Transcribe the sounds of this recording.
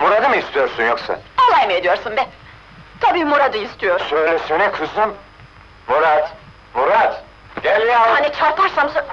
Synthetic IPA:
muɾad̪ɯmɯist̪ʰijoɾsunjoksa̰olˠajmɯed̪ijo̞ɾsunbɛ | t̪ʰabiːmuɾad̪ɯist̪ʰijoɾsøjlʲɛsenɛkʰɯzɯm | muɾat̪ | muɾat̪ | ɟelʲialˠhanit͡ʃʰaɾpɯɾsams

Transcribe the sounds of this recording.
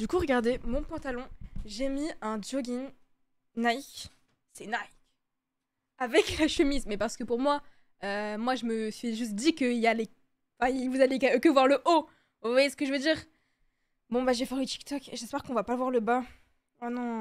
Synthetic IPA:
d̪̥ykuʁəɡaʁd̪emɔ̃pɑ̃t̪alɔ̃ʒemiɛ̃d̪joɡʲin | najk | sɛnajkʲ | avɛklaʃəmizmɛpaʁsə̥kəpuʁmwa | ømwaʒəməsɥiʒyst̪̚d̪ikəiljalẽ | fɛ̃ilvuzalekkəvwaʁləʔo | vvwajesə̥kəʒəvød̪iːʁ | bɔ̃baʒefɛʁit̪i̥k̚t̪ɔkeʒɛspɛʁkɔ̃vapavwaʁləbã | anɔ̃

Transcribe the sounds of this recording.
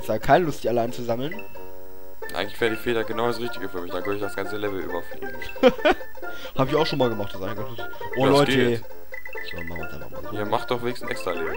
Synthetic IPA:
ɛsaɡkʰaɪnəlʊstd̥iːaləant͡suzaml̩n | ʔa̰ɪɡŋ̩tlɪçv̥eːʁədiːfeːdaɡənaʊɾasʁɪçtɪɡəfyːɐmɪçd̥aːkʰœndəɪçd̥asɡ̥ant͡səlɛvl̩ʔy̰ːbɐflḭːn | haːbɪçaʊxʃoːnmaːlɡəmaχtasʔaɪnɡanɪ | ʔoːdlɔʏtː | ɔ̰ma̰ma̰ta̰m̰ma̰iːɐmaχt̚d̥ɔχveːnɪçsn̩ʔɛ̰kstʁ̥alḛːbl̩

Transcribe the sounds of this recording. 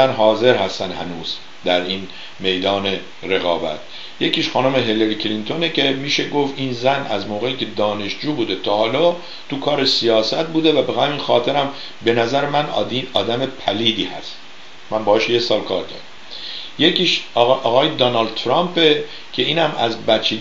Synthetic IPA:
ænɦɒːze̞ɾhæst̪ænhænuːz̥ | d̪æɾiːn | me̞jd̪ɒːne̞ | ɾe̞ɣɒːbæ̰t̪̚ʰ | je̞ciːʃxɒːnomeɦeleɾiːkʰlint̪ʰo̞necʰemiːʃe̞ɡo̞fiːnzænæzmoːɣe̞iːcʰe̞d̪ɒːne̞ʃd͡ʒuːbuːd̪e̞t̪ʰɒːhɒːlɒː | t̪ukʰɒːɾesijɒːsæt̪̚buːd̪e̞væbeɣæmiːnxɒːt̪ʰe̞ɾæm | be̞næzæɾemæniɒːd̪æme̞pʰæliːd̪iːhæ̰st̪ | mænmbɒːeʃjesɒːlkʰɒːɾɟæ̰ɾæm | jekʰiːʃʔɒːɣɒːjed̪ɑnɒːld̪̚t̪ʰɾɑmpe̞ | cʰe̞iːnhæmæzbæt͡ʃʰːiː

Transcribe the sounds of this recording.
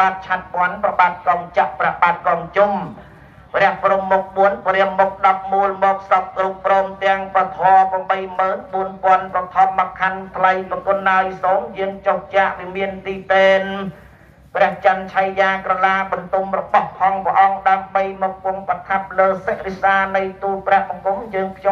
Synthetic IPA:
aːt̪̚t͡ɕʰat̪̚pŏənprɑɓaːt̪̚kɑːŋt͡ɕaʔprɛəhɓaːt̪̚kɑːŋt͡ɕum | prɛ̆əhprumːuk̚ɓuənprɛəmːok̚ɗɑp̚muəlmɔːk̚sɑp̚krupːrɔːmt̪ɛ̆əŋprɑt̪ʰɔːpəmɓəjməːnɓuənpŏənprɑt̪ʰɑːmːakʰant̪ʰləjpəkʊnːaɔjsoːŋjəəŋt͡ɕoht͡ɕaʔʋimiənt̪iːt̪eːn | prɛ̆əht͡ɕant͡ɕʰajːaːkrɑlaːɓɑnt̪umrɔɓɑhpʰɑŋprə̆ʔɑŋɗaəmɓəjmɔːk̚kŭəŋpat̪ʰap̚ləːsək̚resaːnɨjt̪uːhprɛ̆əhɓɑkuŋjəːŋpʰj

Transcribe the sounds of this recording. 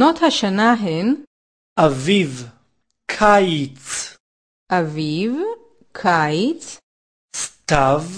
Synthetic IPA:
not̪haʃanaɦen | ʔaviv | kʰajt͡s | ʔaviv | kʰajt͡s | st̪av

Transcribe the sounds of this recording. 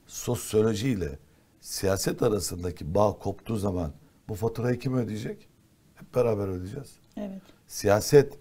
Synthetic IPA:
so̞sjo̞lʲo̞ʒilʲɛ̰ | sijaːsɛt̪ʰaɾasɯnd̪acʰibaːkʰo̞pt̪ʰuːzaman | bufat̪ʰɯɾajicʰimød̪ijd͡ʒɛc | hɛp̚beɾaːbæɾød̪id͡ʒɛz̥ | ɛvɛ | sijaːsɛt̪

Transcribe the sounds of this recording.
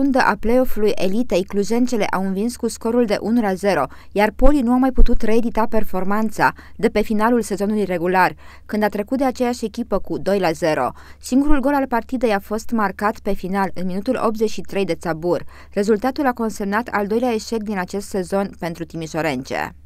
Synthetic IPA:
und̪əʔaple̞o̞fulujʔe̞lit̪ejkluʒe̞nt̪se̞le̞̰ʔawɨnvinskusko̞ɾuld̪e̞̰ʔunulaze̞ɾo̞ | jarpo̞linuamajput̪ut̪reed̪it̪ape̞rfo̞rmant̪sa̰d̪e̞pe̞finalulse̞zo̞nulujre̞ɡular | kɨnd̪at̪ɾekut̪d̪e̞at͡ʃe̞jaʃe̞kʲipəkud̪o̞jlaze̞ɾo̞̰siŋɡuɾulɡo̞lalpart̪id̪e̞jafo̞st̪markat̪pe̞finalɨnminut̪ulʔo̞̰p̚t̪ze̞t͡ʃʃit̪ɾe̞jd̪e̞t̪sabur | re̞zult̪at̪ulako̞nse̞mnat̪ʰa̰ld̪o̞jleae̞ʃe̞k̚d̪inat͡ʃe̞st̪se̞zo̞npe̞nt̪ɾut̪imiʃo̞ɾe̞nt͡ʃḛ

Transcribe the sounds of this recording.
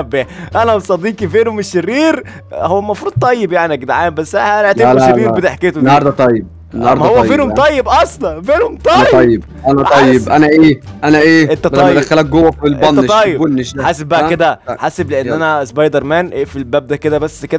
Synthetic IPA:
bːeʔænæbsˤɑd̪iːkifeːnomeʃːeriːɾ | howːæmɑfɾuːd̪̚t̪ˤɑjːebjaʕniʔæɡd̪ʕaːmbæsːæænæʕt̪æeɾiːɾbet̪eħket̪oɑɾd̪æt̪ˤɑjːeb̚ | nhɑɾˤmhowːæfeːnhomˤɑjːebʔɑsˤlɑfeːnhomt̪ˤɑˤɑjːeb | ʔænæt̪ˤɑjːebʔænæʔeːʔænæʔeːʔent̪ːæt̪ˤɑjːd̪æxːælæk̚ɡowːæfilʔɑnːæt̪ˤɑjːebonːeʃæħaːseb̚ːæʔæked̪æħaːsebleʔenːʔænæsbɑjd̪ɑɾˤmænʔefilbæːb̚d̪æked̪æbæsːked̪æ

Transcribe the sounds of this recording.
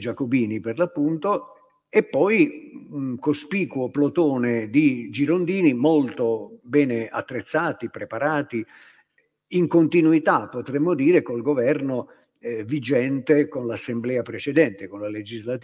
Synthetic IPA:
d͡ʒakobiːniperlapːunt̪o | epːɔjuŋkospiːkuoplot̪oːned̪id͡ʒiɾond̪iːnimolt̪obɛːnea̰t̪ːɾet̪sːaːt̪ipɾepaɾaːt̪i | iŋkont̪inuit̪apːot̪ɾɛmːod̪iːɾekolɡovɛrno | ɛvid͡ʒɛnt̪ekonlasːemblɛːapɾet͡ʃɛd̪ɛnt̪ekonlaled͡ʒizlat̪

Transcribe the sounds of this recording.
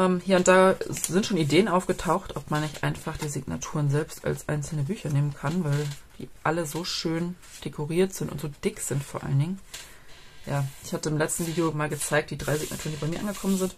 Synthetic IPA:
ʔɛːmhiːɐʊnt̚d̥aːzɪntʃoːnideːənʔaʊfɡ̥ətʰaʊxtʔɔpmanːɪçtʔa̰ɪnfaχd̥iːzɪɡna̰tʰuːʁənzɛlpsta̰lsʔa̰ɪnt͡sl̩nəbyːçɐneːmənkʰanvaɪld̥ḭːʔaləzoːʃøːn | d̥ekʰɔʁiːɐtz̥ɪntʊ̰ntz̥oːd̥ɪkz̥ɪntfoːɐʔa̰lənɪŋə | jaːʔɪçhatəɪmlɛt͡stn̩viːdeomaːlɡət͡saɪk̚td̥iːdʁaɪzɪɡ̚na̰tʰuːʁəndiːbaɪmiːɐʔanŋɡəkʰɔmənzɪnt

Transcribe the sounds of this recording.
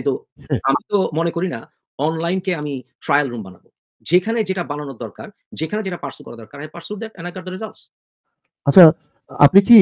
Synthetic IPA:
kint̪uhɛ̃amit̪omonekoɾina | ɔnlajnkeamiʈɾajalɾumbana̰bo | d͡ʑekʰaned͡ʑeʈabananod̪ɔɾkaɾ | d͡ʑekʰaned͡ʑeʈapaɾsuɾkɔɾad̪ɔɾkaɾɦajpaɾsuɾd̪ɛʈɛnaɡaɾd̪oɾezals | at͡ɕʰa | a̰pniki

